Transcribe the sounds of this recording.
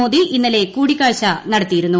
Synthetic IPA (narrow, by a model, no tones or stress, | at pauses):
oːðiʔinːɐle̞kuːɽikːaːɕɐnɐɽɐt̪ːijiɾunːu